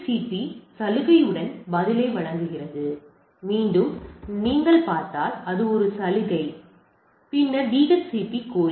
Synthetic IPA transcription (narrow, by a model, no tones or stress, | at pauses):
siːpːisɐlɯɣɐjɯɽɐnbɐðɪleːʋɐɻɐŋɡɯɣɪrɐðɯ | miːɳɖɯmniːŋɡɐɭpaːɾt̪aːlɐðɯɔɾɯsɐlɯɣɐɪ | pɪnːɐʋiːɣɐssiːpːikːoː